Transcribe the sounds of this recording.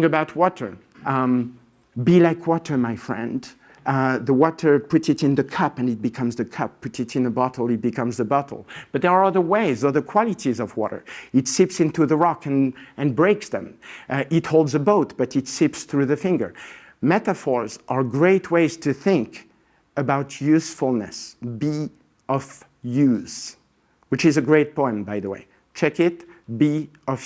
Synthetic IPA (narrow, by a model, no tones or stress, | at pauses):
ŋɨbaʊt̚ʰwɔɾə̰˞ | bilaɪkʰwɔɾə˞maɪfɹɛ̰̃nd | ðəwɔɾə˞pʊtsɨɾɨ̃nðɨkʰʌpɨ̃nɨt̚b̥ɨkʰʌ̃mzðɨkʰʌpʰːʊtsɨɾɨ̃nðəbɑɾl̩ˠɨt̚b̥ɨkʰʌ̃mzðəbʌɾl̩ˠb̥ʌt̪̚ðə˞ə˞ʌðə˞weɪzʌðə˞kʰw̥ɑlˠɨtizʌvwɔ̰ɾə̰˞ɨtsɪpsɪ̃ntuðəɹɑkɨ̃nɨ̃nbɹeɪksðɨ̃mʔɪthoʊlˠdzəboʊtb̥ʌɾɨtsɪpsθɹʉðɨfɪ̃ŋɡə̰˞ | mɛtɨfɔɹzʔə˞ɡɹeɪtʰweɪz̥tʰɨθɪ̃ŋk | əbaʊtʰjʉsfl̩ˠnɨ̰sbi | ʔʌv | jʉz̥ | wɨt͡ʃɨzɨɡɹeɪt̚pʰɔ̃ɪ̃mbaɪðəwḛɪ | t͡ʃʰɛkɪt̚bi | ʌv